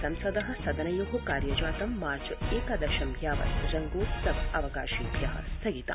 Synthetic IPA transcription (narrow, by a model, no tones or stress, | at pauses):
sɐmsɐd̪ɐɦɐ̆sɐd̪ɐnɐjoɦukaːɾjɐd͡ʒaːt̪ɐmːaːɾt͡ʃɐeːkɐd̪ɐʃɐmbʱjaːʋɐ̰sɾɐŋɡuːt̪sɐbɐʋɐkaːʃiːbʱjɐɦɐ̰sʰɐɡit̪a̰